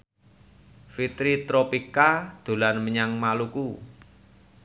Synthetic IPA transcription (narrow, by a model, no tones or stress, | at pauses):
fit̪ɾit̪ɾopikad̪̥o̤lanməɲaŋmaluku